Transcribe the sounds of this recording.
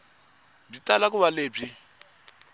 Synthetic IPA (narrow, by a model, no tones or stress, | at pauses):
b͡ʐitalak̬uβaleːb͡ʐi